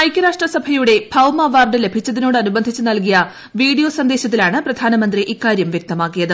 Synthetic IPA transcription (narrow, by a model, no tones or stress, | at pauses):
ɐjkʲːɐɾaːʂʈrɐsɐbʱɐjuɽe̞bʰʱɐwmɐʋɐːrɖɨle̞bʱit͡ɕːɐðino̞ːɽɨɐnubɐnd̪ʱit͡ɕːɨnɐlkijɐ | ʋiːɽijo̞ːsɐnd̪e̞ːɕɐt̪ːilaːɳɨprɐd̪ʱaːnɐmɐnd̪riʔikːaːɾjɐmʋjek̚t̪ɐmaːkːijɐðɨ